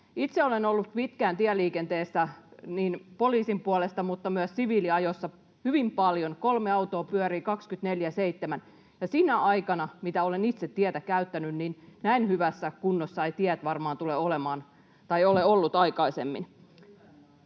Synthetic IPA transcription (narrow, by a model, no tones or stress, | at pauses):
it̪seolenolːut̪̚pit̪kæːnt̪iælːˑiːkent̪eːsːæniːnpoliːsimpuɑlest̪ɑmut̪ːɑmyœssiʋiːliɑjosːɑ | hyʋimpɑljonkolmeɑut̪oːpyœɾiːkɑkskyt̪neljæseit̪ːemæn | jɑsinæʔɑikɑnɑmit̪æolenit̪set̪ːiæt̪ækæyt̪ːænynninnæinhyʋæsːækunːosːɑeit̪iæt̪ʋɑrmɑːnt̪uleolemɑːn | t̪ɑjoleolːut̪ɑikɑisemːḭn